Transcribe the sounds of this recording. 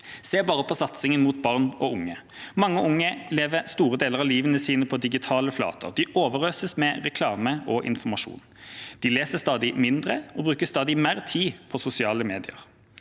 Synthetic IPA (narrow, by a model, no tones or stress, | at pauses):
seːbɑːʁəpʰɔsɑt̪sɪŋənmʊt̪̚bɑʁnɔʊŋːə | mɑŋːəʔʊŋːəleːʋəst̪uːʁəd̪eːləʁɑʋliːʋənəsiːnəpʰɔd̪ɪɡɪt̪ʰɑːləflɑ̰ːt̪ʰə̰ʁd̪ɪʔoːʋəʁɾøːsəsmɛʁɛkʰlɑːməʔɔʔɪ̰nfɔmɑʂṵːn | d̪̥ɪleːsəst̪ɑːd̪ɪmɪnd̪ʁəɔbʁʉːkəst̪ɑːd̪ɪmæːʁt̪ʰiːpʰɔsʊsɪɑːləmeːd̪ɪə̰ʁ